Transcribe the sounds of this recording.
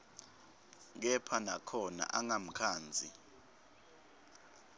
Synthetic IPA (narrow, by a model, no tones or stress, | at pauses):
k̬ɛpʰanakʰɔna̰ʔaŋam̩kʰaːnd͡zʱi